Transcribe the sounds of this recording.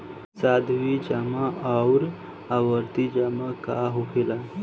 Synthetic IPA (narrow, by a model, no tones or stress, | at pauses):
sad̪ʋid͡ʒamaʔawɾ | aʋəɾt̪id͡ʑamakaɦupʰela